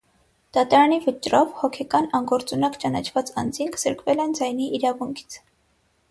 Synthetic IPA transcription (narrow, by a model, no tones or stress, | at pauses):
d̪̥ɑt̪ɑɾɑnivət͡ʃɾɔvhɔkʰɛkɑnɑŋɡɔɾt͡sunɑkt͡ʃɑnɑt͡ʃʰvɑt͡sɑ̰nd͡ziŋkʰz̥əɾkvɛlɛnd͡zɑjniʔːɾɑvuŋkʰi̥t͡sʰ